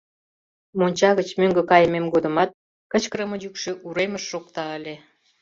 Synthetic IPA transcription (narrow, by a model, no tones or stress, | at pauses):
monʲt͡ɕɑɣət͡ɕmøŋɡə̆kɑjəmemɡod̪ə̆mɑt̪̚ | kə̆t͡ɕkəɾəmə̆jykʃĕʔuɾeməʃːokt̪ɑəlʲe